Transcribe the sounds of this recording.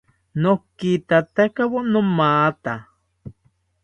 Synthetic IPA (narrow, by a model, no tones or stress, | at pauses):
nokːit̪at̪akawonomaːt̪a